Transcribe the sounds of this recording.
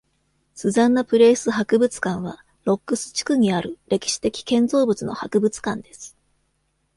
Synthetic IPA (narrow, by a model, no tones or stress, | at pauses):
sɨzãnːapɯ̟ɾe̞ːsɨɦakɯ̟bɯt͡sɨ̥kãɰ̃βa | ɾo̞kːɯ̟sɨ̥t͡ɕi̥kɯ̟ɲ̟iaɾɯ̟ɾe̞kʲi̥ɕi̥t̪e̞kʲi̥kẽ̞nd͡zo̞ːbɯ̟t͡sɨno̞̰hakɯ̟bɯ̟t͡sɨ̥kãnd̪e̞sɨ̥